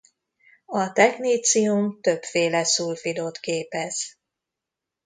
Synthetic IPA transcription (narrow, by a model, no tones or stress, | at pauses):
ɒt̪ɛɡniːt̪sijumt̪ø̞pfeːlɛsuːlfid̪ot̪keːpɛz̥